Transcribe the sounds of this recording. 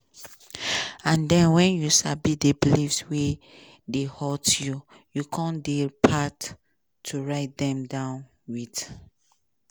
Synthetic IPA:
ãndɛ̃nwɛ̃njuʃabidebilifswe | dehɔtju | jukʰɔ̃ndepʰatʰː | uɹaɪt̚dɛ̃mdãʊ̃n | wid

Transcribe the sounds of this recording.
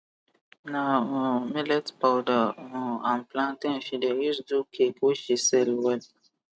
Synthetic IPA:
nãmelɛtpawdããmplãt̪ɛ̃fidɛisdukekuʃisɛlwɛl

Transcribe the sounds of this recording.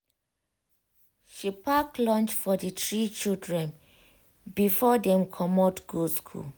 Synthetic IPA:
ʃipʰaklɔ̃nt͡ʃfɔditɹit͡ʃildɹɛ̃n | bifɔdɛ̃mkʰɔmɔtɡ̥uskʰṵl

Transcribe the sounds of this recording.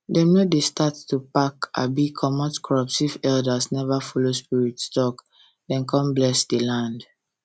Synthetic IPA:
dɛ̃nmedestattupaka̰bikʰɔmɔ̃tkʰɹɔpsifɛldasnɛvafɔlospiɹitstɔk | dɛ̃nkʰɔ̃mblɛsdelãnd

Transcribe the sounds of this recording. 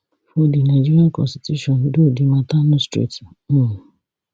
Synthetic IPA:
fodinad͡ʒiɾiakɔ̰̃sti̥tjuʃɔ̃ndodimãtanũstɾḭtĩ

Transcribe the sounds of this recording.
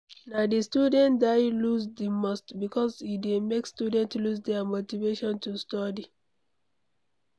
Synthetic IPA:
nadistudɛ̃ndaɪlusdimɔstbikɔsidemekstjudɛ̃ntlusdɛamotiveʃɔ̃ntustɔdi

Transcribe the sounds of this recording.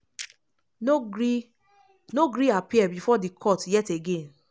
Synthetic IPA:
noɡɾiapiɛbifɔdikʰɔtjɛteɡẽn

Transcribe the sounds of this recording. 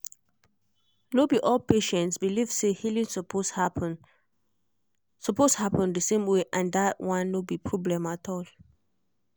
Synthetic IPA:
nobiʔɔlpʰeʃɛ̃ntsbiliv̥sehilĩnspʰosha | sɔposhapə̃ndəsẽmweʔãndatwãnːobipʰɹɔblɛ̃matʰɔl

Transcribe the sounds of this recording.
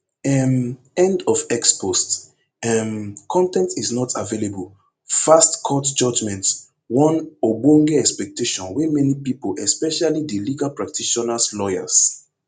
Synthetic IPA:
ɛm | ɛ̃ndɔfɛkspʰost | ɛmkʰɔ̃ntɛ̃ntiznɔtʰavelebul | fastkʰɔtd͡ʒɔd͡ʒmɛ̃nt | wɔ̃nobõŋɡeɛkspɛk̚teʃɔ̃nwɛmɛnipipolʔɛspɛʃalideliɡalpɹak̚tʰiʃɔnaslɔja̰s

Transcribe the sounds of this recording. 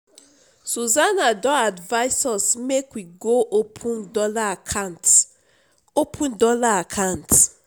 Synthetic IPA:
suzanadɔadvaɪsɔsmekwiɡoʔopʰũndɔlakʰant | opʰũndɔlaakʰãnt

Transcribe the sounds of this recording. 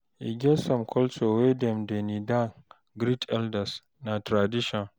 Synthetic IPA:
ʔiɡʲɛsɔmkʰɔlsowedɛmdɛnidaŋ | ɡɾitɛldɛs | natɾadɪʃɔn

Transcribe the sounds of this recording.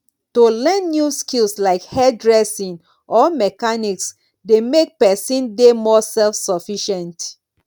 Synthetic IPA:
tolɛ̃nːjuskilslaɪkhɛdɹɛsĩŋ | ʔɔmɛkaniks | demek̚pɛsĩndemɔsɛlfsɔfiʃɛ̃nt

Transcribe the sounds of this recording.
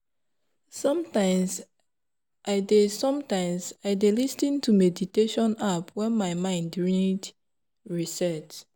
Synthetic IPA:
sɔ̃mtãɪ̃ms | ʔaɪdesɔ̃mtãɪ̃msaɪdelistĩntʰumediteʃɔ̃napwɛ̃nmaɪmãɪ̃ndɹid | ɹisɛt

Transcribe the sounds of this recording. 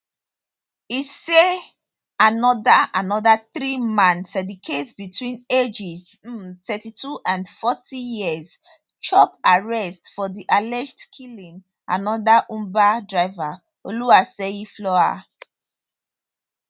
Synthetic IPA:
ise | anɔdaanɔdaθɹimãnsɛdikʰetbitʰwĩned͡ʒiz̩ | tʰɛtitʰuʔãnfɔtʰijiəz | t͡ʃɔpaɹɛstfɔdiʔalɛd͡ʒtkʰilĩŋ | a̰nɔdaʔũmbadɹaɪva | oluaseiflɔa̰

